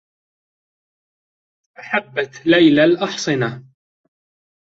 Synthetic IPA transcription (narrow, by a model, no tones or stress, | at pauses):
ʔaħabːat̪lajlalʔɑħsˤɨna